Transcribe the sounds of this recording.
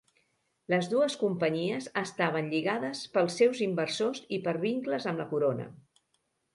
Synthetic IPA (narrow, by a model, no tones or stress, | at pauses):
ləzðuəskumpəɲiəzəst̪aβ̞ənʎiɣaðəspəlˠsːewzimbərsozipəɾβiŋkləzəmləkuɾonə̰